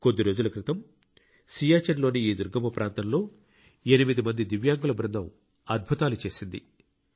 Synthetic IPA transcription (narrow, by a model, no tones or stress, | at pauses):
ko̞d̪ːiɾo̞ːd͡ʒulɐkɾit̪ɐm | siːjaːt͡ʃɐnlo̞ːniiːd̪uɾɡɐmɐpɾaːnt̪ɐmlo̞ː | enimid̪imɐnd̪id̪iʋjaːŋɡulɐbɾɐnd̪ʱɐm | ɐd̪̚bʱut̪aːlut͡ʃe̞ːsind̪ḭ